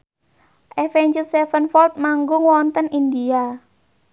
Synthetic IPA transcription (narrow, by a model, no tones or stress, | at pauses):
ʔɛfɛɲd͡ʒəlsɛfənfɔlt̪̚maŋɡʊŋwɔnt̪ənindia